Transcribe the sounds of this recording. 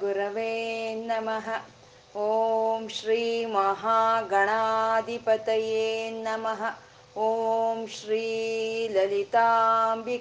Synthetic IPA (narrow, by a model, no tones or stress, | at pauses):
ɡuɾɐʋeːnɐmɐɦɐ | oːmʃɾiːmɐɦaːɡɐɳaːd̪ʱipɐt̪ɐjeeːnɐmɐɦɐ̆ | oːmʃɾiːlɐlit̪aːmbi